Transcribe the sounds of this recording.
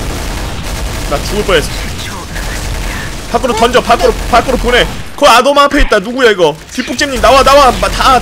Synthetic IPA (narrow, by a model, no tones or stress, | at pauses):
nat͡ɕuɡɯp͈ʌes͈ | pak͈ɯɾotʌnd͡ʑʌpak͈ɯɾopak͈ɯɾopone̞ | kɯadomapʰeit̚t͈anuɡujeiɡʌ | pip͈uk̚t͡ɕ͈emɲinawanawamata